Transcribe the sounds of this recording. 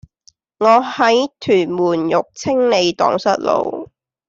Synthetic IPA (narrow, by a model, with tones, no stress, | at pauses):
ŋɔː˨˧hɐ˨˥jt̪ʰyː˨˩nmuː˨˩njʊ˨k̚t͡sʰɪ˥ŋne˨˧jt̪ɔ̰ː˨˥ŋsɐ˥t̚lo̰˨˧w